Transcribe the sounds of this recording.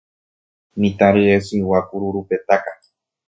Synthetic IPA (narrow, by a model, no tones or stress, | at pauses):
nĩt̪ãɾeesiwapuɾuɾupet̪aka